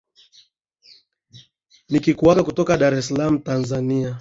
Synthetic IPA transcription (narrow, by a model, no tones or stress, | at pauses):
nikikuaɡakutɔkaɗaɾɛsalam̩tanzania